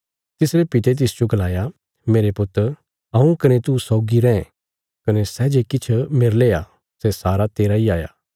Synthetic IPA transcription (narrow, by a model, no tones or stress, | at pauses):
t̪ɪsɾepɪt̪et̪̬ɪsd͡ʒoɡɐlaːja | meːɾepʊt̪ːəɾ | ɐũkɐnet̪usɔːɡiɾɛ̃ː | kɐnesɛːd͡ʒekɪt͡ʃʰmeɾleːa | sesaːɾat̪eːɾaiaːja̰ː